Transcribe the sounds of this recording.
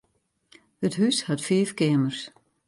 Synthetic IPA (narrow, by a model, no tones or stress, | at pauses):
əthyshatfiːfkɪəmərs